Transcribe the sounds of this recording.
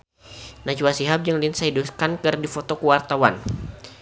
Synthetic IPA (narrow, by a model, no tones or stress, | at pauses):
nat͡ʃuwasiɦap̚d͡ʒaŋlinsaiduskankɨrdifot̪ɔkəwart̪awan